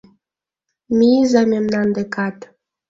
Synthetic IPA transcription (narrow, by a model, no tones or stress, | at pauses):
mizɑmemnɑnd̪ekɑt̪